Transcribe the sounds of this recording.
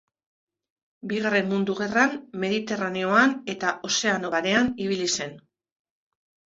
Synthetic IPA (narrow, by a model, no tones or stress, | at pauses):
biɣare̞mmund̪uɣ̞e̞ranme̞ðit̪e̞rane̞o̞ane̞t̪aʔo̞se̞ano̞βaɾe̞aniβ̞ilise̞n